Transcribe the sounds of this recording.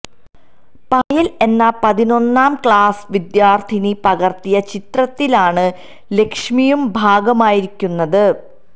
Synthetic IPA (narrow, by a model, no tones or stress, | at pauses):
pajɐle̞nːɐpɐðino̞nːaːmkɭaːsʋid̪jaːrt̪ʰinipɐɣɐrt̪ijɐt͡ɕit̪rɐt̪ːilaːɳɨ | le̞kʂmijumbʱaːɡɐmaːjiɾikʲːunːɐðɨ